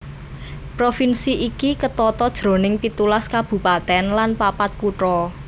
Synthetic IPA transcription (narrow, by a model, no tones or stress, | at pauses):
pɾofinsiʔikikət̪ɔt̪ɔd̥ʒ̥ɾo̤nɪŋpit̪ulaskab̥ṳpat̪ɛnlanpapat̪̚kuʈɾɔ